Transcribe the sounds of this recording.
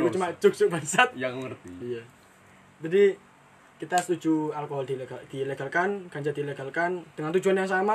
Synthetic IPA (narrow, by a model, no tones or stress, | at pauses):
ut͡ʃumat͡ʃuk̚t͡ʃuk̚bansat̪̚jaŋŋərt̪iija | d͡ʒadi | kit̪asə̥t̪ud͡ʒualkoɦɔldiɡad̥ileɡalkankaɲd͡ʒadileɡalkand̥əŋant̪ud͡ʒuanjaŋs̬ama